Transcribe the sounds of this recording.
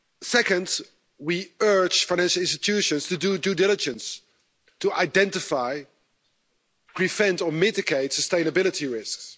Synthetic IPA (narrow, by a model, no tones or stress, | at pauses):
sɛkə̃nd | wiɜ˞d͡ʒfaɪ̃næ̃nʃl̩ˠɪ̃nstɪtʰʉʃə̃nstɨdudɨdɪlɪd͡ʒə̃ns | tuʔaɪdɛ̃ntɪfaɪ | pʰɹ̥ifɛ̃ntə˞mɪtɪɡeɪtsəstẽɪ̃nəbɪlˠətiɹɪsks